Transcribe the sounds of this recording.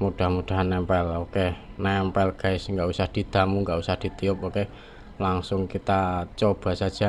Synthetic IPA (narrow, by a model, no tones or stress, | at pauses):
mud̥a̤hmud̥a̤ɦanːɛmpɛlokenɛmpɛlɡ̥aɪsŋɡaʔusahd̪̥i̤d̪̥amuŋɡaʔusahd̪̥i̤t̪iʊp̚oke | laŋsʊŋkit̪at͡ʃob̥a̤sḁd͡ʒ̥a